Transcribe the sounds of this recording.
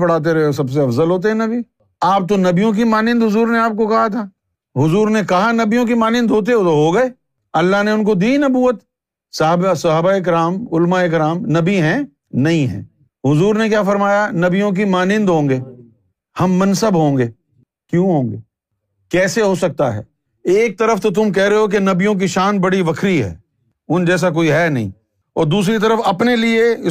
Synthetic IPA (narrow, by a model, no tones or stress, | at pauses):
pɐɽ̤aːt̪̬eɾɐɦes̬ɐbs̬eɐfzəlɦoːt̪̬eɦɛ̃nɐbi | aːp̚t̪onɐbijõk̬imaːnɪ̃nd̪ɦʊzuːɾneaːp̚kokɐɦat̪ʰaː | ɦʊzuːɾnekɐɦanɐbijõk̬imaːnɪ̃nd̪ɦoːt̪̬eɦot̪oɦoɡɐeː | ɐlːaɦneʊnkod̪iːnɐbuːət̪ | sɐbsɐɦabaeɪk̬ɪɾaːmʊlmaeɪk̬ɾaːmnɐbiɦɛ̃ | nɐɦĩɦɛ̰̃ː | ɦʊzuːɾnekjaːfɐɾmaːjanɐbijõk̬imaːnɪ̃nd̪ɦõːŋɡeː | hɐmːɐnsəbɦõːŋɡeː | kjũːɦõːŋɡeː | kɛːseɦosɐk̚t̪a̰ɦɛ̰ː | eːk̚t̪ɐɾəft̪ot̪̬ʊmk̬ɛɦɾeɦok̬enɐbijõk̬iʃaːnbɐɽiʋɐkʰɾiɦɛ̰ː | ʊnd͡ʒɛːs̬ak̬oːiɦɛːnɐ̰ɦḭ̃ː | ɔːɾd̪uːs̬ɾit̪ɐɾəfɐpnelieɪ